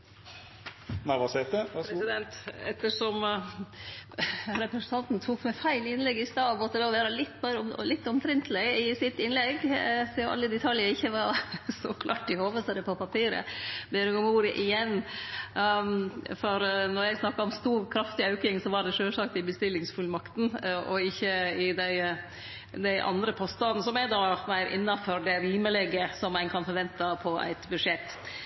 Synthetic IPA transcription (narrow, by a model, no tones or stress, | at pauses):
næɪʋɑsɛt̪əɾsɪd̪ɛnt̪ɛt̪ːəʂɔm | ɾɛpɾəsnt̪ʰɑnt̪nt̪ʰuːkmɛfæɪlɪnlɛɡːɪst̪ɑːmɔt̪ːəd̪ɛɔʋeːɾəlɪt̪ːmeːɾəɔmlɪt̪ːɔmt̪ʰɾɪnt̪ʰlɪɪsɪt̪ːɪnlɛɡsɛːʔɑ̰lːəd̪ɛt̪ʰɑljəɾɪçːəʋɑɾsɔkʰlɑ̰ːʈɪhoːʋəsəɾəpʰɔpɑpʰiːɾə̰beːɾəɡɔmuːɾəʔɪjɛnː | fɔɾnɔɾjæɪɡsnɑkːɑɔmst̪uːɾkʰɾɑft̪ɪɑʉkɪŋsɔʋɑɖɛʂøːlʂɑk̚t̪ɪbəst̪ɪlːɪŋsfʉlmɑkt̪n̩ʔɔɪçːəɪd̪æɪ | d̪æɪʔɑ̰nd̪ɾəpʰɔst̪ɑd̪n̩sɔmæd̪ɑmæɪɾʔɪ̰nːɑfɔɾɖ̪ɛɾiːməlɛɡəsɔmːæɪnkʰɑnfɔɾʋɛnt̪ɑpʰɔæ̰ɪt̪bʉʂɛt̪ː